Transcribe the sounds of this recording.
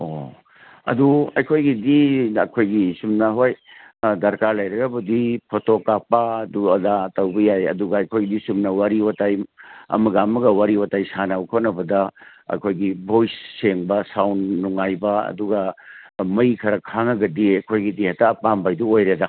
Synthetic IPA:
o | ɐ̰duɐ̰jkʰojɡidiɐkʰojɡisumnɐɦoj | dɐɾkaɾlɐjɾɐɡɐbɐdipʰotokapːɐɐduɐdatɐwbɐjajɐ̰duɡɐɐjkʰojɡidisumnɐwaɾiwatajɐ̰mɐɡamɐɡɐwaɾiwatajsanawkʰot̚nɐbɐdɐ | ɐ̰jkʰojɡibʱojsːeŋbɐsawnːuŋajbɐɐ̰duɡɐmɐjkʰɐɾɐkʰaŋɐɡɐdiɐkʰojɡidihatɐːpambajduojɾeda

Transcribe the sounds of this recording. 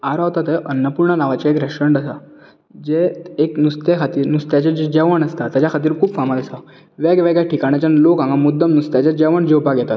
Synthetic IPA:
aɾaʋt̪at̪eʔənːəpuɾɳənaʋat͡ɕaekɾəʂəɳɖəsa | d͡ʑeeknust̪ekʰat̪iːɾnust̪jat͡ɕed͡ʑed͡ʑɛʋəɳəst̪at̪jat͡ɕjakʰat̪̬iːɾkʰuːbfamad̪isa | ʋeɡʋeɡjaʈʰikaɽ̃jat͡ɕanlokãŋɡamud̪ʱːəmnust̪jat͡ɕad͡ʑɛʋəɳd͡ʑeupaɡʱɛt̪at̪

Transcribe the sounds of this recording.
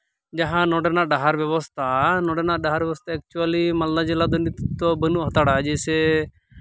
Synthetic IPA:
d͡ʒaɦãnɔɖɛnaɖaɦaɾbjɛbɔst̪ʰanɔɖɛnaɖaɦaɾjɛʋɔst̪ʰaɛk̚t͡ʃualimaldad͡ʒilad̪ɔnit̪t̪ɔbənuʔɦɔt̪aɽad͡ʒɛsɛ

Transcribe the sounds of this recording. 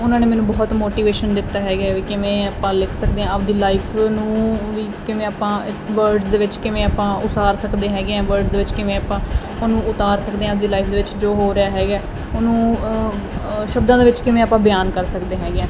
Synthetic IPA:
ʊnãːneːmɛːnũːbɔːt̪moːʈiːʋeːʃənd̪ɪt̪ːaːɦɛːɡaːʋiːkɪʋẽːapãːlɪkʰsək̚d̪eːɦɛ̃ːəb̚d̪iːlaːipʰnũːʋiːkɪʋẽːaːpãː | ʋəɾɖzd̪eːʋɪt͡ʃkɪʋẽːaːpãːʔʊsaːɾsəkd̪eːɦɛːɡeɛ̃ːʋəɾɖzd̪eːʋɪt͡ʃkɪʋẽːapãː | nũːʊt̪aːɾsəkd̪eːɛ̃ːb̚d̪iːlaːiːpʰd̪eːʋɪt͡ʃd͡ʒoːɦoːɾɪjaːɦɛːɡaɛː | ʊnũː | ʃəbd̪ãːd̪eːʋɪt͡ʃkɪʋẽːaːpãːbɪjaːnkəɾsəkd̪eːɦɛːɡɛ̃ː

